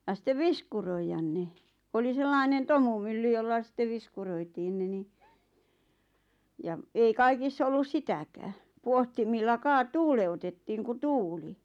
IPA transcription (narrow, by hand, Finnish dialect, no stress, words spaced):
jɑ sĭtːeʋ ʋiskuroijɑn ne oli selːɑinen tomumylːy jolːɑ sĭtːe ʋiskuroitiːn ne ni jɑ ei kɑikisː olːus sitækæː puohtimilːɑ kɑː tuːleutetːiːŋ ku tuːli